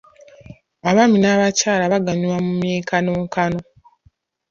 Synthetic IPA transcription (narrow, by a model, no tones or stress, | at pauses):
aβaminaβacaːlaβaɡaɲiwamumjeːkanoːŋkano̞